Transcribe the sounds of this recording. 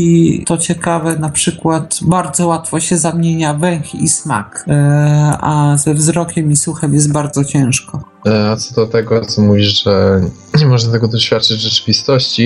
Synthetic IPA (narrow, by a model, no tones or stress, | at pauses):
it̪ɔt͡ɕɛkavɛnapʂɘkwat̪baɾd̪zɔwat̪fɔɕɛzamʲjeɲavɛw̃xḭsma̰k | azɛvzɾɔkʲɛmisuxɛmjɛst̪̚baɾd̪zɔt͡ɕɛ̃w̃ʂkɔ | at̪sɔd̪ɔt̪ɛɡɔt̪sɔmuvʲiʂʐɛ | ɲɛmɔʐnat̪ɛɡɔd̪ɔɕfʲjat̪̚t͡ʂɘd͡ʑvʐɛt͡ʂɘ̥vʲist̪ɔɕt͡ɕi